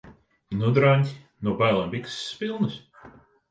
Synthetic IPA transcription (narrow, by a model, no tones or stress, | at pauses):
nud̪ɾanʲt̪ʲi | nubajlˠambʲiksːpilˠnɨs